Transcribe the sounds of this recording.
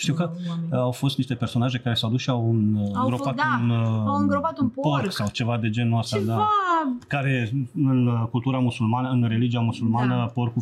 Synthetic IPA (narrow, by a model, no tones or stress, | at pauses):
ʃt̪iwkəawfo̞st̪niʃt̪e̞perso̞naʒe̞kaɾe̞sawad̪usʃiawɨnɡɾopat̪unɡopat̪ppoɾksawt͡ʃe̞vad̪e̞d͡ʒe̞nuast̪d̪akaɾe̞ɨnkult̪uɾamusulmanəɨnɾe̞lid͡ʒiamusulmanəporku